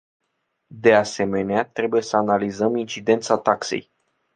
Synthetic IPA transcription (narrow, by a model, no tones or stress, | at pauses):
d̪e̞ase̞me̞neat̪ɾe̞buje̞səanalizəmint͡ʃid̪e̞nt̪sat̪aksḛj